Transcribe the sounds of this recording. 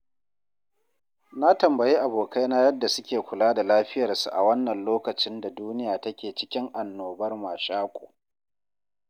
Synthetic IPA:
na˦tɐ˨mbɐ˨jiː˦ʔa˨boː˨ka˦jna˦jɐ˦dːa˨sʊ˦kʲeː˨kʷʊ˨laː˦da˨laː˦ɸɪ˦jɐ˨rsu˨ʔa̰˨wɐ˦nːɐ˨nloː˦kɐ˨t͡ʃɪ˦nda˨duː˦nɪ˦jaː˨tɐ˦kʲeː˨t͡ʃɪ̥˦kʲɪ˦ŋʔa˨nːoː˨bɐ˦rmaː˨ʃaː˦kʷʼo̰ː˨

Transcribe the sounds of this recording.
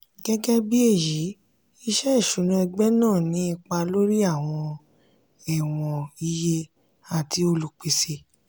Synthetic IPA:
ɡɛ˦ɡɛ˦bi˦e˦˨ji˨˦ | i˧ʃɛ˦˨ʃũ˨˦nũ˨˦ɛ˧ɡ͡bɛ˦nãː˦˨nĩ˨˦i˧k͡pa˧lo˦ɾi˦a˦˨w̃ɔ̃˧ | ɛ˦˨w̃ɔ̃˧i˧je˧ | a˨ti˧o˧lu˨k͡pi˧se˧

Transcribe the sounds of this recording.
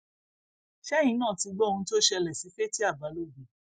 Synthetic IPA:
ʃɛ˦j̃ĩ˨˦nã˦˨ti˧ɡ͡bɔ˦˧nũ˧to˦ʃɛ˧lɛ˨si˨˦fe˦ti˦a˦˨ba˨˦lo˦˨ɡũ˨

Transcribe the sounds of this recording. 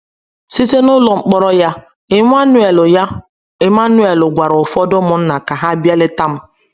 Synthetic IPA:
si˦se˦nʊ˦lɔ˨ŋ͡m̩˨˦k͡pɔ˦ɾɔ˦ja˦ | ɪ˦ŋʷ˦a˦nʊ˦e˨lʊ˨ja˦ | ɪ˨m˦a˦nʊ˦e˨lʊ˨ɡʷa˨ɾʊ˨fɔ˦dʊ˦mʊ˨n̩˦na˨ka˨ɦa˦bi˦ɛ˦lɪ˦ta˦m̩˦

